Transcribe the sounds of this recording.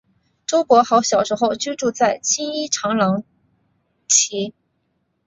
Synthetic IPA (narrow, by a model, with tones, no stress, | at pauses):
ʈ͡ʂo˥ʊpwɔ˧˥xɑ˧˥ʊɕjɑ˨˩ʊʂɻ̩˧˥xo˥˧ʊt͡ɕy˥ʈ͡ʂu˥˧t͡sa˥˩ɪt͡ɕʰi˥ŋi˥ʈ͡ʂʰɑ˧˥ŋlɑ˧˥ŋ | t͡ɕʰi˧˥